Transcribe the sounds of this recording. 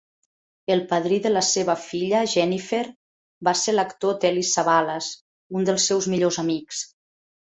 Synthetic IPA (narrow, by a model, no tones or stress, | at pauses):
əlˠpaðɾiðələseβəfiʎəʒɛnifeɾ | baseɾləkt̪ot̪ɛlisaβaləz | und̪əlˠsːɛwzmiʎozamiks